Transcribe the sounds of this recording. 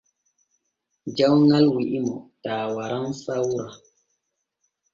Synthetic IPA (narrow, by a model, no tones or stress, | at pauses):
d͡ʒawŋalwiʔimɔtaːwaɾaŋsawɾa